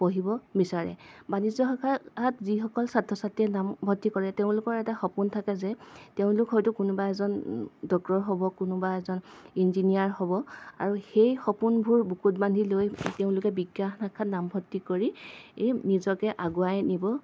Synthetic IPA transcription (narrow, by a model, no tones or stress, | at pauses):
poɦibɔbisaɹɛ̰banizɔxakʰaatzixɔkɔlsatʰːɔsatiɛnambʱɔtːikɔɹɛteʊ̃lʊkɔɹɛtaxɔpuntʰakɛzɛteʊ̃lʊkɦɔjtʊkʊnʊbaɛzɔndɔktɔɹɦobɔkʊnʊbaɛzɔninzinijaɹɦobɔaɹuxejxɔpunbʱuɹbukut̚bandʱilojteʊ̃lʊkɛbiɡjaxnakʰatnambʱɔtːikoɹi | nizɔkɛʔaɡʊajnibɔ